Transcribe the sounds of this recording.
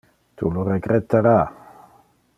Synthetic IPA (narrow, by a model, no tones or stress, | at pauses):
t̪ṵlurekɾet̪aɾa